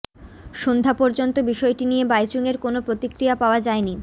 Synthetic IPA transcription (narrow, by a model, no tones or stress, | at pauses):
ʃond̪ʱapoɾd͡ʑont̪obiʃɔeʈinijebajt͡ɕuŋeɾkonopɾot̪ikɾijapaoad͡ʑaeni